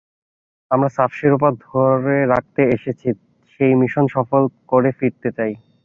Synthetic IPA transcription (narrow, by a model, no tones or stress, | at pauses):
amɾasafʃiɾop̬ad̪ʱoɾeɾak̚t̪eeʃet͡ɕʰi | ʃejmiʃonʃɔfolkoɾefiɾt̪et͡ɕaj